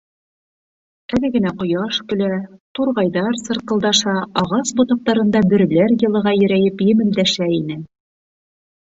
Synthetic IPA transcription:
ælɘɡɘ̆næqŏjɑʃkɵ̆læt̪uɾʁɑjðɑɾsɤ̆ɾqɤ̆lˠd̪ɑʃɑɑʁɑsbŏt̪ɑ̆q̚t̪ɑɾɤ̆nd̪ɑbɘ̆ɾɘ̆læɾjɤ̆lˠɤ̆ʁɑjɵ̆ɾæjɘpjɘ̆mɘ̆ld̪æʃæinɘ

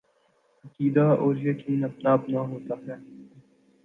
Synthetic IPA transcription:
ɐkiːd̪aːʔoːɾjekiːnɐp̚naːpnaɦoːt̪aːɦɛː

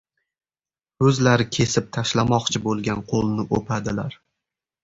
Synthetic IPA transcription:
ɵzlaɾɪkʲʰe̞sɪp̚t̪ʰaʃlamɒqt͡ʃʰɪbolˠɡʲanqʰolˠnɪʔopʰad̪ɪlaɾ

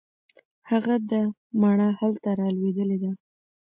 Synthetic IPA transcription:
haɣad̪ə | maɳahalt̪aɾɑlwed̪əled̪a

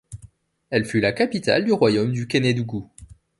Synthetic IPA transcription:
ɛlfylakapit̪a̰ld̪yʁwajomd̪ykʲaned̪uɡu

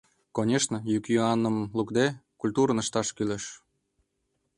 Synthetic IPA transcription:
konʲeʃnəjykjyɑnəmlukd̪ekulʲt̪uɾənəʃt̪ɑʃkyleʃ

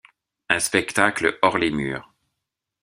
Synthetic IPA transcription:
ɛ̃spɛkt̪akləɔʁlemyːʁ

